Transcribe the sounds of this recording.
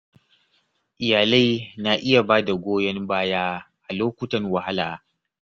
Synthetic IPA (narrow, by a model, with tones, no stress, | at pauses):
ʔɪ˨jaː˨la˦jna˦ʔɪ˦ja˨baː˦da˨ɡʷoː˦jɐ˦mbaː˦jaː˦ | ʔa˨loː˦kʷʊ˦tɐ˨nwɐ˨ha˦laː˨